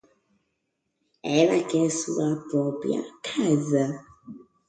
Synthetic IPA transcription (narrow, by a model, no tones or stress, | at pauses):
ɛɾakɛsuwapɔpja̰kʰaza